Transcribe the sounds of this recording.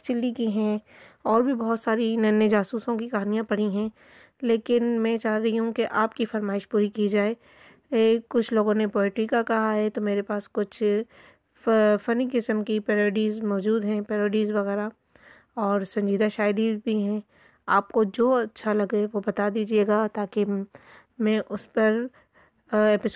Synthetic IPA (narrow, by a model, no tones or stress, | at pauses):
t͡ʃɪlːikiɦɛ̃ | ɔːɾbʱibɐɦt̪saːɾinɐnjəd͡ʒaːsuːsõkikɐɦaːnijãpɐɽ̤iɦɛ̃ː | leːkɪnmɛ̃ːt͡ʃaːɦɾɐɦiɦũkeʔaːpkifɐɾmaːɪʃpuːɾikid͡ʒaːeː | ekʊt͡ʃʰloːɡõnepoːɪʈɾikakɐɦaɦɛt̪omeːɾepaːskʊt͡ʃʰ | fɐnikɪsəmkipɛːɾoːɖiːzmɔːd͡ʒuːd̪ɦɛ̃pɛːɾoːɖiːzʋɐɣɛːɾa | ɔːɾsɐ̃ɲd͡ʒiːd̪aʃaːɪɾizbʱiɦɛ̃ | aːp̚kod͡ʒoːɐtːʃʰalɐɡeʋobɐt̪ad̪iːd͡ʒieːɡat̪aːke | mɛ̃ʔʊspɐɾ | eːpɪs